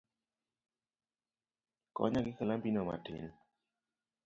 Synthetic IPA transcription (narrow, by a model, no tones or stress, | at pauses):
kɔ̰ɲaɡɪkalambinɔma̰tɪ̰n